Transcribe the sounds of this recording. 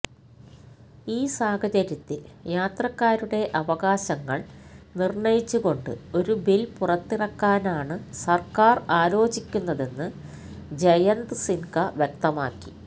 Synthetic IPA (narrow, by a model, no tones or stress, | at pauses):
iːsaːɡʰʱɐt͡ɕɐɾjɐt̪ːiljaːt̪rɐkːaːɾuɽe̞ʔɐʋɐɣaːɕɐŋːɐɭnirɳɐjit͡ɕːuɣo̞ɳɖɨ̰o̞ɾubilpurɐt̪ːirɐkːaːnaːɳɨsɐrkaːraːlo̞ːd͡ʑikʲːunːɐðe̞nːɨ | d͡ʑɐjɐnd̪ɨsinkɐʋjɐk̚t̪ɐmaːkːi̥